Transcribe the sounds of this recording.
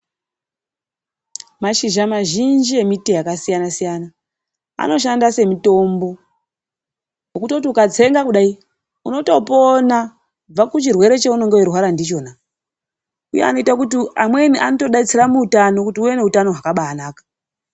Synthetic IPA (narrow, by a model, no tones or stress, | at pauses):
maʃiʒamaʒind͡ʒie̞mitejakasijanasijana | a̰no̞ʃandase̞mito̞mbo̞ | ɦokutoutiukat͡se̞ŋɡakuɗai | uno̞to̞po̞na | b͡vakut͡ʃirwe̞ɾe̞t͡ʃeuno̞ŋɡewerwaɾandit͡ʃo̞ːna | uje̞̰a̰no̞itakutiamwe̞niʔanoto̞ɗait͡seramuːtano̞kutiuwe̞ne̞utano̞ɦwakaɓaːnaːkḁ